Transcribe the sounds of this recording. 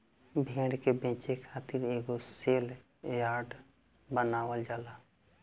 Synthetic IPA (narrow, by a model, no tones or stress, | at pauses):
bʱẽːɖkebẽːt͡ʃekʰaːt̪iɾeːɡoseːl | jaːɾɖ | bənaːwəld͡ʒaːlaː